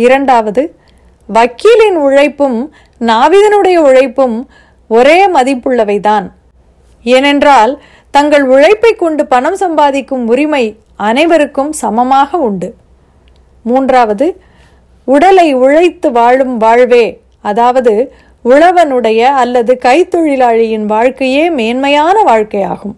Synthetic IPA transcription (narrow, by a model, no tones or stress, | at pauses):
ɪɾɐɳɖaːʋɐðɯ | ʋɐkiːlɪnʊɻɐɪpːɯm | naːʋiðɐnɯɽɐjɐʊɻɐɪpːɯm | ɔɾeːmɐðɪpːɯɭːɐʋɐɪt̪aːn | eːnɛndraːl | t̪ɐŋɡɐɭʊɻɐɪpːɐɪkːɔɳɖɯpɐɳɐmsɐmbaːðɪkːɯmʊɾɪmɐɪ | ɐnɐɪʋɐɾɯkːɯmsɐmɐmaːɣɐʊɳɖɯ | muːndraːʋɐðɯ | ʊɽɐlɐɪʊɻɐɪt̪ːɯʋaːɻɯmʋaːɻʋeː | ɐðaːʋɐðɯ | ʊɻɐʋɐnɯɽɐjɐːlːɐðɯkɐɪt̪ːɔɻɪlaːɻɪjɪnʋaːɻkɐjeːmeːnmɐjaːnɐʋaːɻkɐɪja̰ːɣɯm